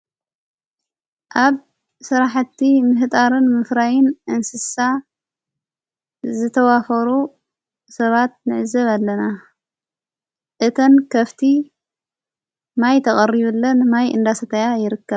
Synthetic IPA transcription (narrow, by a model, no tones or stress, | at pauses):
ʔaβ | sɨɾaħt̪ːimɨɦɨt̪ʼaɾɨnmɨfɾajɪnʔɨnsɨsa | zɨt̪ʰɐwafɐɾu | sɐβat̪̚nɨ̰ʕɨzɐβalːɐna | ʔɨt̪ʰɐnkʰɐft̪ʰi | majt̪ʰɐχʼɐɾiβulːɐnmajʔɨ̰nd̪asɐt̪ʰɐjajɪɾɨkːɐβ